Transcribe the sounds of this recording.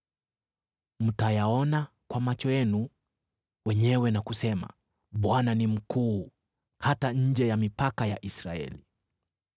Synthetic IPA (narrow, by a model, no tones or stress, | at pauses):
m̩tajaɔna | kwamat͡ʃɔjɛnu | wɛɲɛwɛnakusɛma̰ | ɓwananim̩kuː | hataɲ̩d͡ʒɛjamipakajaʔisɾaɛ̰li